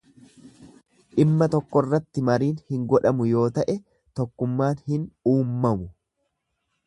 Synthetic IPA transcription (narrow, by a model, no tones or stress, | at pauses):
ʔɪmːɐt̪ɔkːɔrːɐt̪ːɪmɐɾiːnhɪŋɡɔᶑɐmʊjo̞ːt̪ɐʔɛ | t̪ɔkːʊmːaːnhɪnuːmːɐmʊ